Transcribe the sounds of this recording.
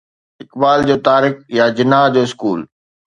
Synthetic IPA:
ɪkbaːld͡ʑoːt̪aːɾɪkjad͡ʑɪnaːɦd͡ʑoːɪskuːl

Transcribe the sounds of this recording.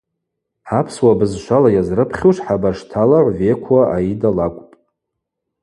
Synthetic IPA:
ħapʰswabɨzʃʷalajazrɨpʰχʲuʂħabaʂtʰalaʕʷvekʷʰaʔa̰idalakʷʼpʼ

